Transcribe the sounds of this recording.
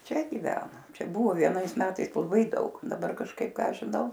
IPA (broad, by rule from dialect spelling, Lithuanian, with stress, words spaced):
ˈt͡ʃʲɛ ɡʲɪˈʋʲæːnɐ ˈt͡ʃʲɛ ˈbʊʋoː ʋʲiɛˈnɐɪs ˈmʲæːtɐɪs lˠɐˈbɐɪ ˈdɐʊk dɐˈbɐr kɐʃˈkɐɪp ˈkɑː ʒʲɪˈnɐʊ